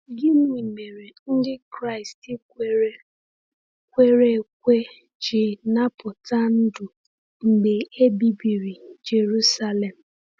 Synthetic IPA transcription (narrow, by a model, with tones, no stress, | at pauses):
ɡɪ˦nu˦i˨me˨ɾe˨n̩˦dɪ˦kɾa˦ɪ˨stɪ˦ | kʷe˦ɾe˦˨kʷe˦ | t͡ʃɪ˨na˦pʊ˨ta˦n̩˦du˨ | ŋ͡m̩˨ɡ͡be˨e˦bi˨bi˨ɾi˨d͡ʒe˨ɾu˦sa˦le˨m̩˨